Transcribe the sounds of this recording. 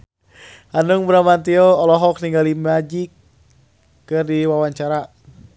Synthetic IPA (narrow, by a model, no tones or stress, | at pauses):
anuŋbəɾamant̪iɔɔlɔɦɔk̚niŋɡalimad͡ʒikː | ɨrdiwawaɲt͡ʃaɾa